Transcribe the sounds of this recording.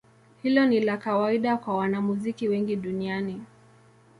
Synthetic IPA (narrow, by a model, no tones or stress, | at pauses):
hilɔnilakawaiɗakwawanamuzikiwɛŋɡiɗuniani